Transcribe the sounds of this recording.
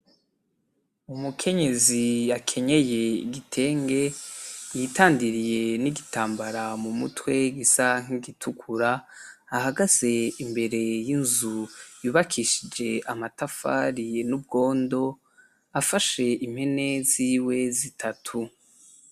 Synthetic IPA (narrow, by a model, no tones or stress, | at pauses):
umukʰe̞ɲe̞ziakʰe̞ɲe̞je̞ḭɡitʰe̞ːŋɡe̞jitaːndiɾije̞niɡitaːmbaɾamumutwe̞ɡisaŋ̥iɡitʰukʰuɾaː | ɦaɡaz̥e̞imbe̞ɾe̞jinzujuːβakʰiːʃid͡ʒe̞amatafa̰ːɾinub̚ɡo̞ːndo̞ | afaʃe̞ʔim̥he̞ne̞ziːwe̞zitʰatʰu